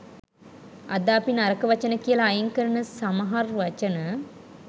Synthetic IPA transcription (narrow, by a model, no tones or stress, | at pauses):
a̰d̪aːpinaɾəkəʋat͡ʃənəkijəlaːjəŋkəɾənəsamɐɦarʋat͡ʃənə